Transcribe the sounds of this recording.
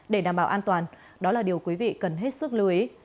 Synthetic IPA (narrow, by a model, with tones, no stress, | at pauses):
ɗe˧˩ɗaː˨˩mɓaː˧˩wʔaː˧nt̪waː˨˩n | ɗɔ˨˦laː˨˩ɗi˨˩əwkwi˨˦vḭ˧˨kə˨˩nɦe˦˥t̚sɨ˦˥k̚lɨ˧˨˦ʔi˨˦